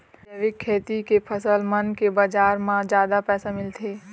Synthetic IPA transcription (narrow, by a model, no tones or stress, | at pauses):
eʋɪkʰːeːt̪ikepʰəsəlmənkebəd͡ʒaːɾmãd͡ʒjaːd̪apɛːsamɪlt̪ʰeː